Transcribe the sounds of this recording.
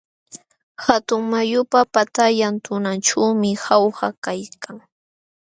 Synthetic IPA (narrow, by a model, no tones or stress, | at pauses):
xat̪ʊŋmajʊpapat̪aʎant̪ʊnanʈ͡ʂawmɪxawhakajkʰaŋ